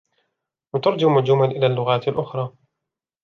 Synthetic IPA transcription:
wat̪ɑɾˤd͡ʒaʔmʊd͡ʒʊmalʔɪlaːlːʊɣaːt̪alʔʊxɾˤɑː

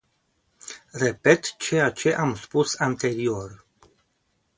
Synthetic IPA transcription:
re̞pe̞t̪t͡ʃeat͡ʃe̞ʔamspusant̪e̞ɾio̞r

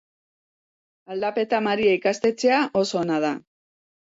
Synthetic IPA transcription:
ald̪ape̞t̪amaɾiaikast̪e̞t͡se̞aʔo̞so̞ːnað̞a

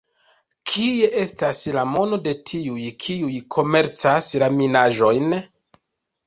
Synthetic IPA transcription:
kʰie̞ʔe̞staslamo̞no̞de̞tʰiujkʰiujkʰo̞me̞ɾt͡saslaminaʒo̞jn

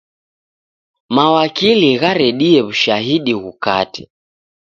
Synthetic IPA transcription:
mawakiliɣaɾɛɗiɛβuʃaɦiɗiɣukatɛ̥

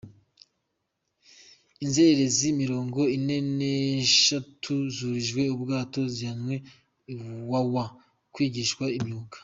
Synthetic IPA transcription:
inzeɾe̞zimiɾo̞ːŋɡo̞ine̞ne̞ʃatʰuzuɾiʒɡwe̞ubɡaːto̞zihanwe̞ | wawa | kwiːɟiʃkwaimɲuːkḁ

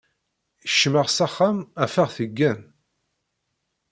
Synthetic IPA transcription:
əʃːməʁsæχːamæfæʁθəɡːæn

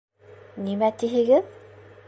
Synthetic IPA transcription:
nimæt̪iɦɘ̆ɡɘð

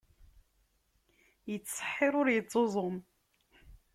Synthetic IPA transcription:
jət͡sːsˤə̥ħːɪɾˤʊɾjət͡sˤːozˤʊm

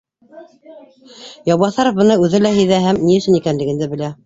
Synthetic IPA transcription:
jɑwbɑθɑɾŏfbɤ̆nɑʉðɘlæɦɘðæɦæmniɘ̆ʃɘ̆nikænlɘ̆ɡɘ̆nd̪ɘbɘ̆læ

